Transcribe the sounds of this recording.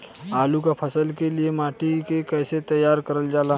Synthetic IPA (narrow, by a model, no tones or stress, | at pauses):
aːlukapʰɐsəlkeliemaːʈikekɛːset̪ɐjːaːɾkəɾəld͡ʒaːlaː